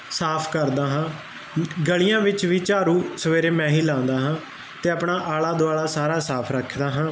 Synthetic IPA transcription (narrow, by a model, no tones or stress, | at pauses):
saːpʰkəɾd̪aːɦãː | ɡəɭɪjãːʋɪt͡ʃʋiːt͡ʃaːɾuːsəʋeːɾeːmɛ̃ːɦiːlãːnd̪aːɦãː | t̪eːəpɳaːʔaːlaːd̪oaːlaːsaːɾaːsaːpʰɾəkʰd̪aːɦãː